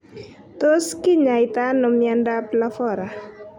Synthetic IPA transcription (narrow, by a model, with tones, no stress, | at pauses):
t̪o˦skɪ˦ɲa˨jɪt̪a˦nɔ˨mjanda˦pla˦fɔ˨ɾa˨